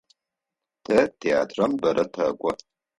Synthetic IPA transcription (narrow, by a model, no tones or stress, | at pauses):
tʰɐtʰea̰ːtʰrɐmbɐɾʔɐtʰɐkʷʼɔ